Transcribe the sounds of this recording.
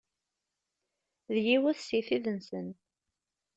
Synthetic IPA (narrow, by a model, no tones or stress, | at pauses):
ðjiwæθsiθiðənsən